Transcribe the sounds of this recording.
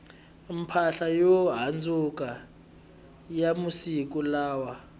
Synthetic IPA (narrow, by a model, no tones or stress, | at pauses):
m̩pʰaɬajɔɦand͡zʱuk̬ʼa | jamusik̬ʼulaːwa